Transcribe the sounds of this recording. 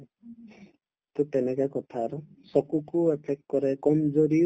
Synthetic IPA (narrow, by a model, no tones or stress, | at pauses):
t̪ut̪enekakɔt̪ʰaɾu | sɔkukuepʰek̚kɔɾekɔmd͡ʒoɾi